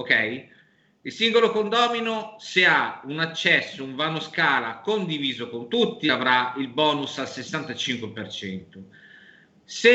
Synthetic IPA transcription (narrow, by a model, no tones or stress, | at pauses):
okɛj | ilsiŋɡolokond̪ɔːminoseaunat͡ʃːɛsːouɱvaːnoskaːlakond̪iviːzokont̪ut̪ːiavɾailbɔːnusalsesːant̪at͡ʃiŋkwepert͡ʃɛnt̪o | se